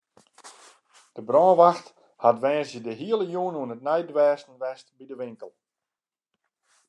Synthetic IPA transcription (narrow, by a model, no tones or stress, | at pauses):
d̥əbrɔːʋaxt | hatʋɛːsjədəɦiəlˠəjuənuənət̚nɛjdʋɛːsn̩ʋɛstbidəʋɪŋkəlˠ